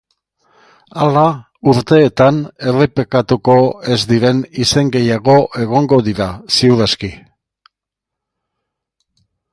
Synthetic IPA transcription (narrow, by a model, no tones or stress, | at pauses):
ala | uɾt̪e̞ːt̪ane̞repekat̪uko̞e̞zd̪iɾe̞nise̞ŋɡe̞jaɣo̞ʔe̞ɣ̞o̞ŋɡo̞ðiɾasiuðeski